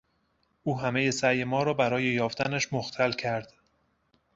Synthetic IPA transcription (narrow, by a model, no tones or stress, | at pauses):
ʔuːɦæme̞je̞sæjemɒːɾɒːbæɾɒːje̞jɒːft̪ænæʃmoxt̪ʰælcʰæɾd̪̥